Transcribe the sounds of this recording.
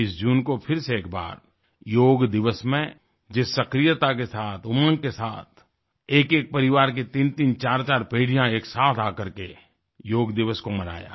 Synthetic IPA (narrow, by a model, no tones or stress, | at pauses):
ɪsd͡ʒuːnkopʰɪɾseeːkba̰ːɾ | joːɡd̪ɪʋəsmẽ | d͡ʒɪsːɐkɾɪjət̪akesaːt̪ʰʊmə̃ŋkesaːt̪̚ʰ | eːkeːk̚pɐɾɪʋaːɾk̬it̪iːnt̪iːnt͡ʃaːɾt͡ʃaːɾpeːɽ̤ijãeːksaːt̪ʰaːkɐɾke | joːɡd̪ɪʋəskomɐɾa̰ːja̰ː